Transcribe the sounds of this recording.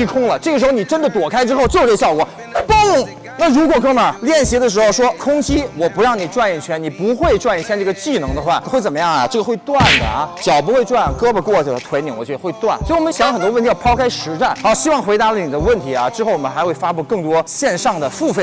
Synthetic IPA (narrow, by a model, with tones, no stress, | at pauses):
i˥˩kʰʊ˥ŋlə˨ʈ͡ʂɤ˥˩ə˩ʂɻxo˧ʊ˧n˨˩ʈ͡ʂə˥nd̪ə˨˩t̪wɔ˨˩kʰa˥ɪʈ͡ʂɻ̩˥xo˥˧ʊt͡ɕo˥˧˨ʈ͡ʂɤ˥˩ə˧ɕjɑ˥˩ʊkwɔ̰˨˩˦ | po˥˩˨ | na˥˩ɻu˧˥kwɔ˨˩kʰɤ˥ma˞˨˩ljɛ˥˩nɕjɛ˧˥d̪ə˧ʂɻ̩˧˥xo˧ʊʂwɔ˥kʰʊ˥ŋt͡ɕi˥wɔ˨˩pu˧˥ɻɑ˥˩ŋni˨˩ʈ͡ʂwa˥˧njɛ˥˩t͡ɕʰɥɛ˧˥ni˨˩pu˧˥xwe˥˧ɪʈ͡ʂwa˥˧nɛ˥˩t͡ɕʰjɛ˥˧nʈ͡ʂɤ˥˩ə˨˩t͡ɕi˥˩nɤ˧˥ŋd̪ə˧xwa˥˩n˧xwe˥˩ɪt͡sə˨˩mə˦jɑ˥˩ŋa̰˩ʈ͡ʂɤ˥˩ɡə˩xwe˥˧ɪt̪wa˥˩nd̪ə̰˩˦˩t͡ɕjɑ˨˩ʊp̬u˧˥xwe˥˧ɪʈ͡ʂwa˥˧˩nkɤ˥bə˨kwɔ˥˩˧t̪ʰwe˧˥ɪni˧˥ŋwɔ˨˩t͡ɕɥɛ˧˥ə˧xwe˥˧ɪt̪wa˥˩nsɔ˧˥i˥˧wɔ˨˩ə˦ɕŋ˥xə˨˩nt̪wɔ˥˩t̪ʰjɑ˥˧˩pʰɑ˥ʊkʰa˥ɪʂɻ̩˧˥ʈ͡ʂa˥˩n˧˥ɕi˥wɑ˥˩ŋxwe˧˥ɪt̪a˧˥lə˨ni˨˩d̪ə˦wə˥˩nt̪ʰi˧˥ɐ˥˧ʈ͡ʂɻ̩˥xo˥˩ʊwɔ˨˩mə˦nxa˧˥ɪxwe˥˩ɪfa˥pu˥˩kɤ˥˩ŋt̪̬wɔ˥ɕjɛ˥˧nʂɑ˥˩ŋd̪ə˩fu˥˧fe˥˩